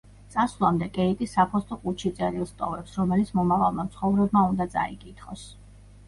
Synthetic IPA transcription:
t̪sʼaslˠamd̪ɛkʼɛit̪ʼisːapʰɔst̪ʼɔqʼut͡ʃʰit̪sʼɛɾilˠst̪ʼɔ̰vɛpsɾɔmɛlit̪sʰmɔmavalˠmat̪sʰχɔvɾɛbmaund̪at̪sʼa̰ikʼit̪ʰχɔs

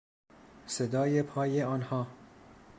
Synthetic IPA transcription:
sed̪ɒːje̞pʰɒːjeɒːnhɒː

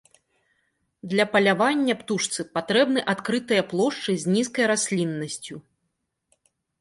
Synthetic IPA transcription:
d̪lʲɐpɐlʲavanʲːɐpt̪uʂt̪sɨpat̪ɾɛbnɨʔat̪kɾɨt̪ɨjɐplˠɔʂt͡ʂɨzʲnʲiskɐjɾasʲlʲinːɐsʲt͡sʲu

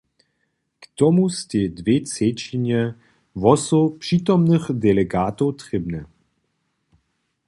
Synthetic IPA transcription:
kt̪ɔmustʲɛd̪vett͡sɛt͡ɕiɲɛ | vɔsɔpʂit̪ɔmnɨxd̪ɛlɛɡaːt̪ɔwt̪rɛbnɛ

